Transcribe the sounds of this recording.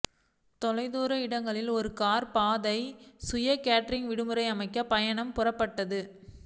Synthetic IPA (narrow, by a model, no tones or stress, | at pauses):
t̪ɔlɐɪðuːɾɐɪɽɐŋɡɐɭɪlɔɾɯkaːɾpaːðɐɪsʊjɐkaːʈɾɪŋʋɪɽɯmɯɾɐɪɐmɐɪkːɐpɐjɐɳɐmpʊrɐpːɐʈːɐðɯ